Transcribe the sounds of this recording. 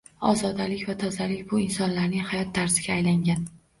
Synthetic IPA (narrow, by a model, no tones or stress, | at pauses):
ɒ̰zɒd̪alɪkʲvat̪ʰɒzalɪkʲbʊɪnsɒnlaɾnɪŋhajɒt̪ʰːaɾsɪɡʲaːjlaŋɡʲan